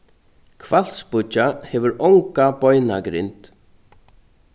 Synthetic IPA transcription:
kʰval̥t̪spʊt͡ʃːahɛːʋʏɾɔwŋkapɔjnaɡɾɪ̰nt̪

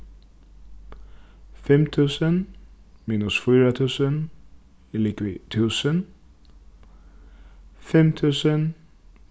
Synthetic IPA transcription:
fɛmt̪ʰʉːsənmiːnʊsfyːɾət̪ʰʉːsən | ɪlɪkʋɪt̪ʰʉːsən | fɛmt̪ʰʉːsən

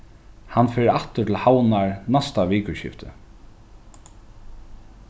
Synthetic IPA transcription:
hanfɛːɾaht̪ʏt̪ʰɪlhawnaɹnast̪aʋiːkəɕɪ̰ft̪ʰə̰

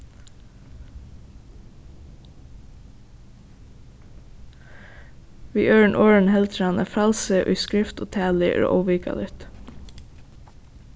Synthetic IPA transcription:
ʋiːʔøːɹəɳʔoːɹəɳ̩hɛlt̪ʰɾɑnʔə̰ːfɑlsəʔʉ̰ːskɹɪft̪oːt̪ʰæːlɪʔæ̰ːɹo̰ːʔɔʋiːkɑ̰lɪt̪

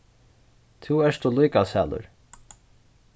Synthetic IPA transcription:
t̪ʰuɛʂt̪ʰulujkasa̰ːlʊ̰ɹ

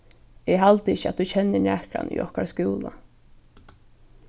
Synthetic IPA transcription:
ɛɦalt̪əɪça̰t̪̚ut͡ʃʰɛnːɪɳæːhkɾa̰ny̰ʔɔhkaɾskuːla

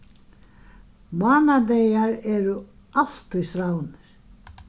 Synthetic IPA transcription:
maːnad̪ejaɾɛːɾʏ | al̥t̪ʏjsɾawnɪɾ̥

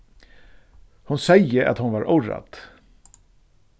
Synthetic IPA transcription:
hʊnsɛjːəɾʔa̰t̪hʊnvaɾʔʊɾa̰t̪

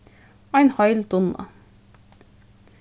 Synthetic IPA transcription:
æɪnhɑɪld̪ʊnɑ̰

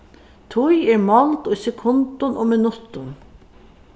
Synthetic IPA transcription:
t̪ʰʊjɛɹmɔlt̪ʊjsɛkʰʊnt̪ʊnʔoːmɪnʊt̪ʊn

